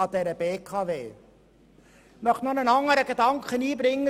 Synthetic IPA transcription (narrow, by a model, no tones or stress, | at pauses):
ɑdɛɾəb̥eːkʰɑːveː | mœχnɔnənɑŋəɾəɡədɑŋkəniːbɾɪŋːə